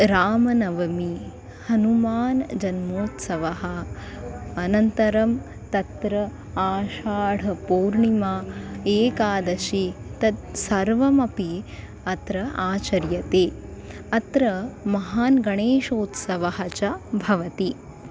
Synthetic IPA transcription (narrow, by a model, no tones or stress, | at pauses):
ɾaːmɐnɐʋɐmi | hɐnumaːnd͡ʒɐnmoːt̪sɐʋɐɦɐ̆ | ɐnɐnt̪ɐɾɐm | t̪ɐt̪ɾɐ | aːʃaːɽ̤ɐpoːɾɳimaːeːkaːd̪ɐʃit̪ɐd̪̚sɐɾʋɐmɐpi | ɐt̪ɾɐʔaːt͡ʃɐɾjɐt̪eː | ɐt̪ɾɐmɐɦaːnɡɐɳeːʃoːt̪sɐʋɐɦɐt͡ʃɐbʱɐʋɐt̪i